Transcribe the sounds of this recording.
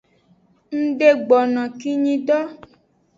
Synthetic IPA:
ŋ̩̃˦ɖe˦ɡ͡bɔ˨nã˨ki˦ɲĩ˦ɖɔ˦

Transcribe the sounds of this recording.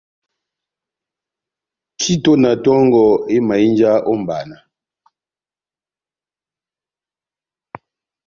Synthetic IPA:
kʰi˦to˦na˨tɔ˦ŋɡɔ˨e˦ma˨i˦nd͡ʒa˦ʔɔ˦m˨ba̰˨na˨

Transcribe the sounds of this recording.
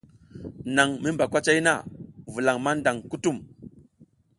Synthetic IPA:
na˨ŋmi˦mba˨kʷa˦t͡ʃa˦jna̰˦˨vu˨la˨ŋma˦nda˨ŋku˦tu˦˨m

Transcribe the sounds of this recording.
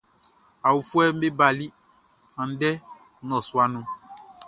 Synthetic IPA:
a˨wu˨fu˦ɛ˦m̩˦be˦ba˨li˦ | ã˨n˦dɛ˦ | nɔ̃˨swa˦nũ˦

